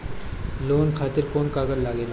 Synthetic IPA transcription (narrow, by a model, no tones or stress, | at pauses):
loːnkʰaːt̪ɪɾkoːnkaːɡəɾlaɡeːla